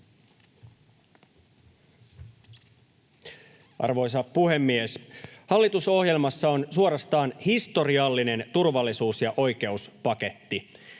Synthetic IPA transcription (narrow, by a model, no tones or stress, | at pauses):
ʔɑ̰rʋo̞js̬ɑpuɦe̞mːieshɑlːit̪uso̞hje̞lmɑsːɑo̞nsuo̞ɾɑst̪ɑːnhist̪o̞ɾiɑlːine̞nt̪urʋɑlːisuːsjɑʔo̞jk̟e̞uspɑke̞t̪ːi